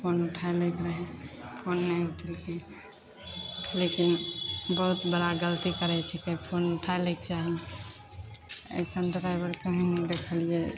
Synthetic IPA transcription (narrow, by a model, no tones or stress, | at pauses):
pʰonuʈʰaelɛkɾəɦɛpʰonːɛuʈʰəlke | lekinbəɦut̪bəɽaɡəlt̪ikəɾɛt͡ʃʰɛkəipʰonuʈʰaelɛkt͡ʃaɦi | ə̰sənt̪ɾajbəɾkəɦĩnɛd̪ekʰəlijɛ